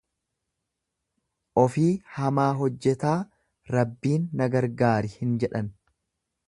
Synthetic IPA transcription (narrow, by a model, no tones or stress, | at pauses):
ʔɔfiːhɐmaːɦɔd͡ʒːɛt̪aː | ɾɐbːiːnːɐɡɐɾɡaːɾɪhɪnd͡ʒɛᶑɐn